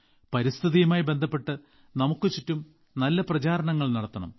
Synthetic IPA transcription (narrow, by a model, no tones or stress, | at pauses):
pɐɾist̪ʰɨðijɐmaːjibe̞nd̪ʱɐpːe̞ʈːɨ | nɐmukːɨt͡ɕitːum | nɐlːɐprɐt͡ɕaːɾɐɳɐŋːɐɭnɐɽɐt̪ːɐɳɐ̰m